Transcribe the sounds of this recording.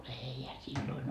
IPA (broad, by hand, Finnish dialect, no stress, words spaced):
eihæ silːoin